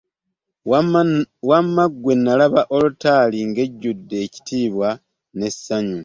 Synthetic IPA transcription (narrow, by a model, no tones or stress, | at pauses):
wamːaɡwe̞nːalaβaʔo̞lutaːliŋɡe̞ɟːudːe̞ːci̥tiːβwa | ne̞sːaɲu